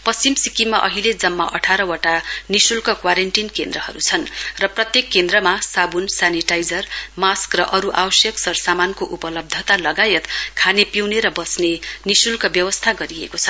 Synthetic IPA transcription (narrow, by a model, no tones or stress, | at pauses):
pʌst͡simsikimaʔʌɦiled͡zʌmːa̰ʔʌʈʰaɾʌwaʈanisulkʌkwaɾeɳʈinkend̪rʌɦʌ̰ɾut͡sʰʌnrʌprʌt̪jekːend̪rʌmasabunsaniʈajd͡zʌrmaskrʌʔʌɾuʔawʌsjʌksʌrsamankoʔupʌlʌb̚d̪ʱʌt̪alʌɡajʌt̪kʰanepiwneɾʌbʌsnenisulkʌbjʌwʌst̪ʰaɡʌɾiḛkot͡sʰʌ̥